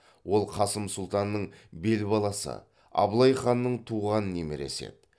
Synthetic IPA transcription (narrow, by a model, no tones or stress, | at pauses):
wo̞lˠqʰɑsəmsʊlˠt̪ɑnːəɴbe̞lbɑlˠɑsə̰ | ɑ̰blˠɑjχɑnːəɴt̪ʰuʁɑnəne̞meɾe̞̰se̞̰d̪̥